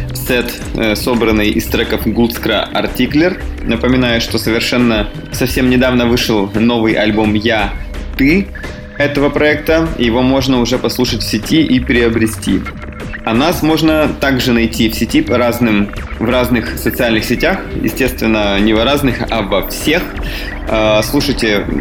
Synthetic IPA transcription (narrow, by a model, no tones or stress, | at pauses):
sɛt̪ | so̞bɾənːɨjʔɪst̪ɾakəfɡult̪skɾə̰ʔɐ̰rtʲiklʲɪrnəpəmʲɪnajʊʂt̪o̞səvʲɪrʂɛnːə | sɐfsʲe̞mnʲɪd̪avnəvɨʂəlˠno̞vɨjʔɐlʲbomjat̪ɨ | ɛt̪əvəpɾɐɛk̚t̪əjɪvo̞mo̞ʐnəʊʐɛpɐslˠuʂətʲfsʲɪtʲiʔipʲɾʲɪəbɾʲɪsʲtʲḭ | ɐnasmo̞ʐnət̪aɡʐɨnɐjtʲifsʲɪtʲipɐɾaznɨm | vraznɨxsət̪sɨalʲnɨxsʲɪtʲaxjɪ̰sʲtʲe̞st̪vʲɪnːənʲɪvɐɾaznɨxɐ̰vɐfsʲe̞x | slˠuʂəjtʲɪ